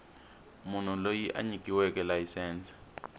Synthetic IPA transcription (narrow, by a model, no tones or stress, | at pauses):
mun̤ulojiʔa̰ɲikiwɛkɛlajisɛːnt͡si̥